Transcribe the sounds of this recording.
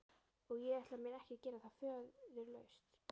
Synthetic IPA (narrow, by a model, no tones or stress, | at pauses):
ɔɣjɛɛht̪lamɛːnɛhcɪcɛːɾaθḁfœːððɛɾlœːɥst̪